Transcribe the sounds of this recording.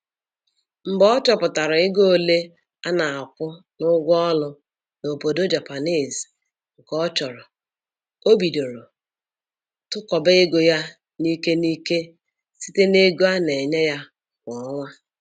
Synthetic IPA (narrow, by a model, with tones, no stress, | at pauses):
m̩˨bɔ˦t͡ʃɔ˨pʊ˨ta˨ɾʊ˨ɪ˦ɡo˦˨le˦ | a˦na˨a˨kʷʊ˦ | nʊ˦ɡʷɔ˦lʊ˦ | no˨po˨do˦d͡ʒa˨pa˨ni˦˨z | ŋ̩˨kɔ˦t͡ʃɔ˨ɾɔ˨ | o˦bi˨do˨ɾo˨ | tʊ˦kɔ˨be˦ɪ˦ɡʊ˨ja˦ | ni˦ke˦niː˦ke˦ | si̥˦te˦ne˦ɡo˦a˦ne˨ɲe˦ja˦ | kʷɔ˨˦ŋʷa˦